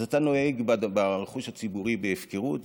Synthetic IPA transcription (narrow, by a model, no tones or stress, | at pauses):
zat̪ano̞eɡbabaʁeχuʃat͡sibuʁibeefkeʁut